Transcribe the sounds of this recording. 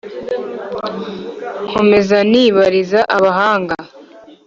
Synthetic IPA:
kʰo̞me̞zaniːβaɾizaʔaβaɦaːŋɡa

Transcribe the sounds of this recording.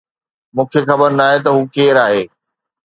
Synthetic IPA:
mũːkʰexɐbəɾnaːɦet̪ɐɦuːkeːɾaːɦeː

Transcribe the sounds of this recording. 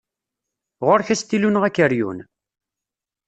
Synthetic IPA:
ʁoɾçæst̪ːilunəʁækːəɾjṵn

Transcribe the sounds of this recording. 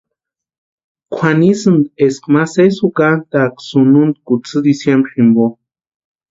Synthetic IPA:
kʷʰanisɨnd̪eskmasesukant̪aksunund̪kut͡sɨd̪isjembɾχimbo

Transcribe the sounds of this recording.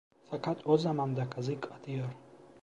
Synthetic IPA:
sakʰat̪ʼɔzamand̪akʰazikʼat̪ʰʼiɔɾ

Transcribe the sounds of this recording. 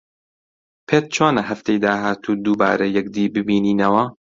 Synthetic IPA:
pʰeːt̪̚t͡ʃʰoːnɐɦɐft̪ʰejd̪aːɦaːt̪ʰuːd̪uːba̰ːɾɐjɛkd̪iːbɨbiːniːnɐwɐ

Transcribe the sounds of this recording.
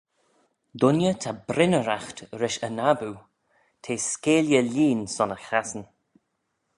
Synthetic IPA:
d̪ʊnjət̪ʰabɾɪnəɾaxtɾɪʃənabu | tʰeːskeːljəliːnsɔnəxasən

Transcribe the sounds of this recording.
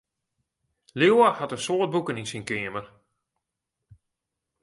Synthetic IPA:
lewahatənsoːət̚bukəninsinkɪəmər

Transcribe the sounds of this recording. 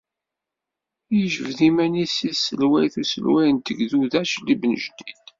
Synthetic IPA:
jəʒəvðimænisisəlwæjθusəlwæjnt̪əɡðuðæʃlibnə̰ʒd̪id̪

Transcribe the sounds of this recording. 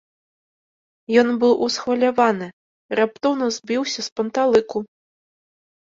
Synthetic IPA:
jɔnbɨwʔusxvɐlʲavanɨ | ɾap̚t̪ɔwnɐzʲbʲiwsʲɐspɐnt̪alˠɨku

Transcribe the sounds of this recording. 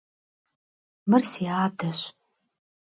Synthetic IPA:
mɨrsiaːdɐɕ

